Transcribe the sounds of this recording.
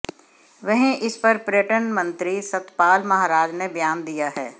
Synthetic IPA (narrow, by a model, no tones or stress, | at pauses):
ʋɐɦĩʔɪspɐɾpɾeʈənmɐ̃nt̪ɾisɐt̪paːlmɐɦaːɾaːd͡ʒnebjaːnd̪ijaɦɛː